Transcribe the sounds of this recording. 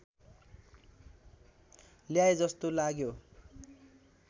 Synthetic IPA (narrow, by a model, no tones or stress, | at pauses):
ljajd͡zʌst̪olaɡjo